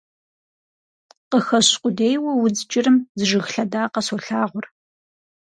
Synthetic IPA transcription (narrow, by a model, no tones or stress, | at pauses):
qəxɐɕqʷʼʊdejwɐwʊd͡zɨt͡ʃʼɪrɨmzɨʒɨxɬɐdaːqɐsoɬaːʁʷʊr